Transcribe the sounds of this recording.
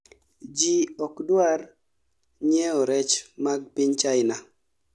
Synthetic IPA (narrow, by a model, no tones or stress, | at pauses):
d͡ʒiɔkdwar | ɲɛɔɾɛt͡ʃmaɡ̚pɪɲt͡ʃaɪna